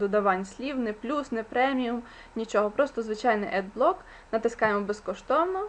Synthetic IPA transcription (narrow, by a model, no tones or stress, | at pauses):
d̪ʊd̪ɐʋɑnʲsʲlʲiwnɪplʲusnɛpɾɛmʲijʊm | nʲit͡ʃɔɦɔpɾɔst̪ɔzʋɪt͡ʃajnɪʔɛd̪̚blˠɔk | nɐt̪ɪskɑjemɔbeskɔʃt̪ɔwnɔ